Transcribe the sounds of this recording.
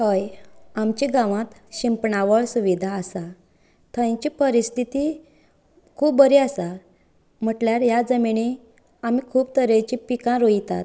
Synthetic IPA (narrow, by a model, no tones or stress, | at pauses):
həjamt͡ɕiɡãʋãt̪ɕimpɳaʋəɭsuʋid̪ʱaːsa | t̪ʰãjt͡ɕiːpəɾist̪ʰit̪i | kʰuːbːəɾiasa | m̤əʈljaɾjad͡zəmiɳi | amikʰuːb̚t̪əɾet͡ɕipikãɾoit̪a̰t̪